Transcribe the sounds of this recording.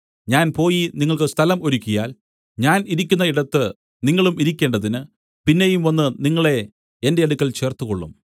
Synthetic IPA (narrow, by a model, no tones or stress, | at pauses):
ɲaːnpo̞ːjiniŋːɐɭkɨst̪ʰɐlɐmo̞ɾukʲːujaːl | ɲaːniɾikʲːunːɐiɽɐt̪ːɨ | niŋːɐɭumiɾik̬ʲːe̞ːɳɖɐðinɨ | pinːe̞jumʋɐnːɨniŋːɐɭe̞ | ende̞ɐɽukʲːɐlt͡ɕe̞ːrt̪uko̞ɭːum